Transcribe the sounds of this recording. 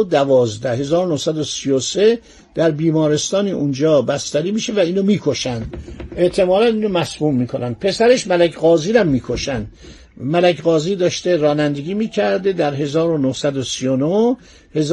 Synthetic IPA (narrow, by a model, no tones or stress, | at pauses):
d̪ævɒːzd̪æhe̞zɒːɾonohsæd̪osijose | d̪̥æɾbiːmɒːɾe̞st̪ɒːniʔund͡ʒɒːbæst̪æɾiːmiːʃevæiːnomiːkʰoʃænd̪e̞ʔt̪ʰe̞mɒːlæniːnomæsmuːmːiːkʰonænd̪̥̚pʰe̞sæɾeʃmælækʰɡɒːziːɾæmːiːkʰoʃænd̪ | mælækɣɒːziːd̪ɒːʃt̪eɾɒːnænd̪eɡʲiːmiːcʰæɾd̪ed̪æɾɦe̞zɒːɾonohsæd̪osijono | he̞z